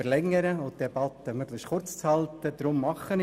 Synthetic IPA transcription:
əɾlɛŋːəɾəʊt̪d̥ebɑt̪əmœɡlɪʃχʊrt͡st͡shɑlt̪əd̪̥ɾʊmːɑχːən

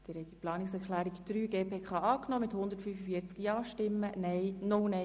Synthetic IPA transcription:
d̥ɪːɾhɛɪt̪̚diplɑːnɪksɛɾkχlæːɾikd̥̪ɾyːɡeːpʰeːkχɑːɑːknɔːmɪthʊnd̪ətfyfəfiːəɾt͡skjɑːʃtɪmːənɛjnʊwnɛ

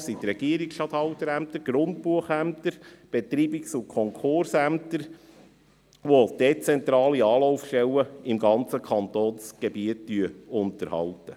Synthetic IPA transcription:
sit̪rɛɡ̥iəɾɪksʃtɑt̪hɑwt̪əɾæmt̪əɾɡ̥ɾʊnt̚puəχæmt̪əɾb̥ɛt̪ɾiːbiksʊkʰɔŋkʰʊrsæmt̪əɾ | ʋod̥et͡sɛnt̪ɾɑːliɑːlɔʊfʃtɛlːəɪmɡɑnt͡səkʰɑnt̪oːnsɡ̥ebiətːyəʊntəɾhɑ̰ltə

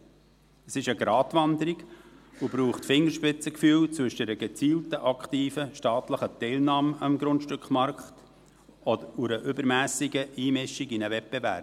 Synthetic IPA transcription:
əsɪʃəɡɾɑːtʋɑnd̪əɾiɡubɾuːχtfɪŋːəɾʃpɪt͡səkfyːlt͡sʋɵʃəɾəɡɛt͡siːltəʔɑkχt̪iːfəʃtɑːt̪ləχət̪ɛɪlnɑːmɑmɡɾʊntʃtʏkχmɑɾkχt | ɔd̪əuɾəʔʏbəɾmæːsɪɡəiːmɪʃiɡinəvɛt̚b̥ɛvæ̰ɾp̚

